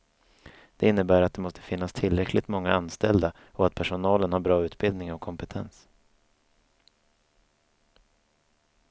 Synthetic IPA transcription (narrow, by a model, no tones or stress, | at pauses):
d̪̥ɛɪnːəbæːɾat̪̚d̪ɛmɔst̪ʰə̥fɪn̪ːast̪ʰɪlɾɛkʰlɪt̪mɔŋːaanst̪ɛld̪a | ɔat̪̚pʰæʂʊnɑːlənhaɾbɾɑːʉ̟ːt̪bɪld̪nɪŋɔkʰːɔmpɛt̪ʰɛ̰ns